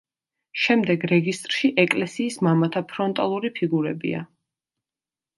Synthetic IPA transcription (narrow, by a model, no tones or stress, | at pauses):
ʃɛmd̪ɛɡɾɛɡist̪ʼɾʃiʔɛkʼlɛsiːsmamat̪ʰapʰɾɔnt̪ʼalˠuɾipʰiɡuɾɛbḭa̰